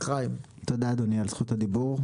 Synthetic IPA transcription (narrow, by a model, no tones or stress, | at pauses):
aim | t̪od̪aːd̪onialsχuthad̪ibuʁ